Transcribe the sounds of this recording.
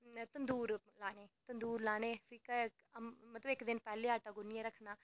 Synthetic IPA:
t̪ənd̪uːɾ | laːneːt̪ənd̪uːɾlaːneːsiːka | mət̪ləbɪkd̪ɪnpɛːleːaːʈaːɡʊnɪjãːɾəkʰnaː

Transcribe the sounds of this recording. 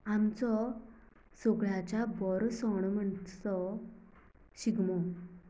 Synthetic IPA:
amt͡sɔ | soɡɭat͡ɕabɔɾsɔɳ̃m̤əɳt͡sɔ | ɕiɡmɔ

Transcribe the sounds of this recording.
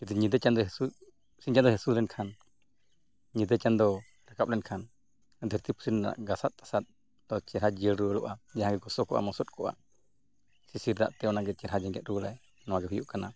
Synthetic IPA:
d͡ʒid̪uɲid̪ɛt͡ʃand̪ɔɦɛsu | siɲt͡ʃand̪ɔɦɛsuɾɛnkʰan | ɲid̪ət͡ʃand̪ɔ | ɾakap̚lɛnkʰan | d̪ʱəɾt̪ipʰu̥sina̰ʔɡasat̪̚ˀːḁsat̪̚ | d̪ɔt͡ʃɛɾɦad͡ʒiəɽɾuəlɔʔad͡ʒãɦãɡɛɡɔsɔkɔʔa̰mɔsɔt̪̚kʰɔʔa̰ | sisiɾd̪a̰ʔt̪ɛɔnaɡɛt͡ʃɛɾɦad͡ʒɛŋɡɛt̪̚ɾulaj | nɔwaɡɛɦujuʔkana

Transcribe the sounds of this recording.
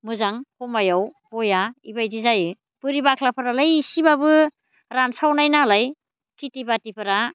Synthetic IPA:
mɯzaŋpɔmajawbɔjaibajdizajɯ | bɯɾibakʰlapʰɯɾalajisibabɯ | ɾansawnajnalaj | kʰitibatipʰɯɾa

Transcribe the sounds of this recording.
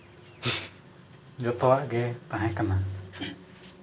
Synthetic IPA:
d͡ʒɔt̪ɔwaʔɡɛt̪ãɦɛ̃kana

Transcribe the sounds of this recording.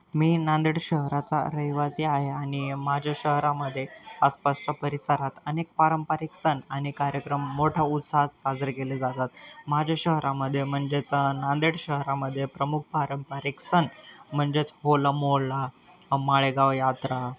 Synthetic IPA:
miːnand̪iɽɕəɦɾat͡sa̰ɾəɦjʋasiaɦeanimad͡ʑʱjaɕəɦɾaməd̪ʱːjeaspast͡ɕapəɾisəɾat̪ənek̚paɾəmpaɾiksənañikaɾjəkɾəmːoʈʰaut̪sasad͡zəɾkeled͡zat̪at̪mad͡ʑʱaɕəɦɾaməd̪ʱːjem̤əɳd͡zet͡snãnd̪iɽɕəɦɾaməd̪ʱːjepɾəmuk̚ʰpaɾəmpəɾiksənm̤əɳd͡zet͡sɦolamoɽla | maɭeɡaʋjat̪ɾa

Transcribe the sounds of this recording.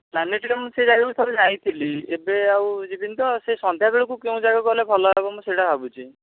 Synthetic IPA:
lanːeʈiʈɔmũsed͡ʒaɡakut̪ʰɔbed͡ʒajt̪ʰiliebeawd͡ʒibint̪ɔsesɔnd̪ʱjaɡiɭɔkukeũd͡ʒaɡakɔlebʱɔlɔɦebɔmũseʈabʱabut͡ʃʰi

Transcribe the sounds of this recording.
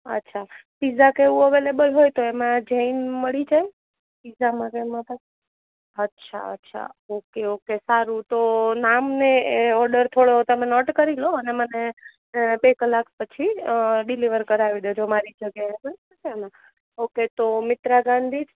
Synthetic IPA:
ə̰tːʃʰapizakeʋũəʋelebəlɦojt̪oemãd͡ʒəinməɭid͡ʒaj | pizamãɾemãpa | ətːʃʰa̰ə̰tːʃʰa̰okeokesaɾut̪onamneeɔɾɖəɾt̪ʰoɽoot̪omenɔʈkəɾilõəneməne | bekəlːak̚pət͡ʃʰiɖiliʋəɾkəɾaʋid̪od͡ʒomaɾid͡ʒəɡjaɦesəəkana | oket̪omɪt̪ɾaɡãnd̪ʱid͡ʒ

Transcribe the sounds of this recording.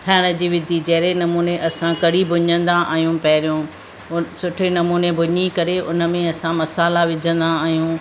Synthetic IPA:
ʈʰaːɪɽ̃ə̆d͡ʑiːʋɪd̪ʱid͡ʑɐɦɾenɐmuːneʔɐsãkɐɽibʱʊɲə̃nd̪aʔa̰ːɦijũpɐɦɪɾijũː | sʊʈʰenɐmuːnebʱʊɲikɐɾeʊ̰nə̆mẽɐsãmɐsaːlaʋɪd͡ʑʱə̃nd̪aaːɦijũ

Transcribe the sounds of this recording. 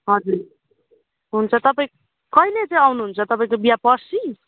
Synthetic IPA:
ɦʌd͡zuɾ | ɦunt͡sʰʌt̪ʌpaĩ | kʌɦilet͡sãĩʌwnuɦunt͡sʰʌt̪ʌpaĩkobijapʌsi

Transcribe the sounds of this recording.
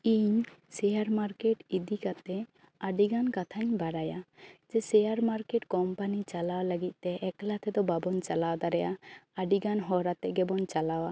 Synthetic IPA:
iɲsɛjaɾmaɾkeʈid̪ikat̪ɛ | aɖiɡankat̪ʰaɲbaɽajad͡ʒɛsɛjaɾmaɾkeʈkɔmpanit͡ʃalawalaɡic̪̚ˀt̪ɛʔɛklat̪ʰɛd̪ɔbabɔnt͡ʃalawd̪aɾɛjaaɖiɡanɦɔɾat̪ɛɡɛbɔnt͡ʃalawa

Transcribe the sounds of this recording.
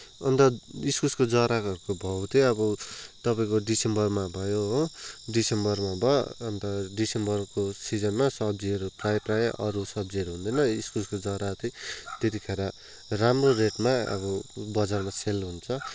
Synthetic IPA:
ʌ̰nt̪ʌiskuskod͡zʌɾakʌɾukobʱʌwt̪ʰeʌbʌt̪ʌpaĩkoɖisembʌrmabʱʌjoɦoɖisembʌrmabʱʌːnt̪ʌɖisembʌrkosid͡zʌnmasʌb̚d͡ziʌɾuprajprajʔʌɾusʌbd͡ziʌɾuɦũnd̪ʌjnʌiskuskod͡zʌɾat̪it̪et̪ikʰeɾa | ramroɾeʈmaʌ̰bʌbʌd͡zarmaselɦunt͡sʰʌ

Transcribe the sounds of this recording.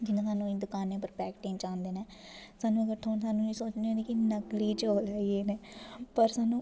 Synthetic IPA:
d͡ʒɪnãːsaːnũːĩːd̪ʊkaːnẽːp̬əɾpɛːkʈẽːnt͡ʃãːnd̪eːneː | saːnũːəɡəɾt̪ʰoːnsaːnũːĩːsoːt͡ʃnd̪eːneːkɪnəkliːt͡ʃoːlaːieːneːpəɾsaːnũː

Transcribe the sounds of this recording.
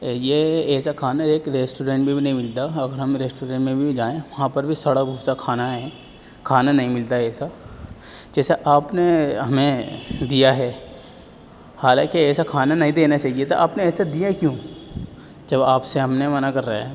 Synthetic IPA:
jeɛːsakʰaːnaɾeːkɾeːsʈuːɾẽːɳʈbʱibʱinɐɦĩmɪlt̪aɐɡəɾɦɐmɾeːsʈoːɾẽːɳʈmẽbʱid͡ʒaːẽʋɐɦãpɐɾbʱisɐɽabʱuːsakʰaːnaɦɛ̃ː | kʰaːnanɐɦĩmɪlt̪aɛːsa | d͡ʒɛːseʔaːpneɦɐmẽd̪ijaɦɛː | haːlã̰ːkiɛːsakʰaːnanɐɦĩd̪eːnat͡ʃaːɦiet̪oʔa̰ːpneɛːsad̪ijaɦkjõː | d͡ʒɐbaːpseɦɐmnemɐnakɐɾːaa

